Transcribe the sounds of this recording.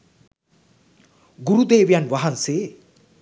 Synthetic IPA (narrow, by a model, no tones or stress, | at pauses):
ɡuɾud̪eːʋijanʋɐɦɐnseː